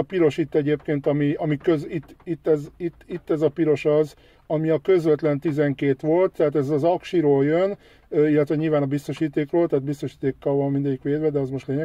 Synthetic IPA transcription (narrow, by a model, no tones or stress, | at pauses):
ɒpiɾo̞ʃit̪ːɛɟeːpkeːnt̪ɒmiɒmikøzit̪ːit̪ːɛzit̪ːit̪ːɛzɒpiɾo̞ʃɒz | ɒmiɒkø̞zʋɛt̪lɛnt̪izɛŋkeːt̪ʋo̞lt̪ːɛaːt̪ɛzɒzɒkʃiɾoːljøn | øilːɛt̪ʋɛɲilvaːnɒbist̪o̞ʃiːt̪eːkroːlt̪aːt̪̚bist̪o̞ʃiːt̪eːkːɒlʋɒmmind̪ɛɟikʋeːd̪ʋɛd̪ɛɒzmo̞ʃt̪leːɲɛ